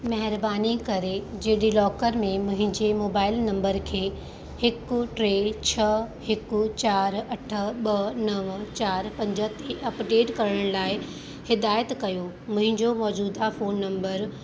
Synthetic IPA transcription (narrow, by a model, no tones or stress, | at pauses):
mɐɦɪɾbaːnikɐɾed͡ʑeːɗilɔːkəɾmẽmʊ̃ɦɪ̃ɲd͡ʑemoːbaːɪlnɐ̃mbəɾkʰeː | hɪkʊ̆ʈɾeːt͡ɕʰɐhɪkt͡ɕaːɾɐʈʰə̆ɓɐnɐʋt͡ɕaːɾpɐ̃ɲd͡ʑəɦt̪eʔɐpɖeːʈkɐɾɽəɽ̃laːɪ | hɪd̪aːjət̪kɐjo | mʊ̃ɦɪ̃ɲd͡ʑomɔːd͡ʑuːd̪afoːnːɐ̃mbəɾ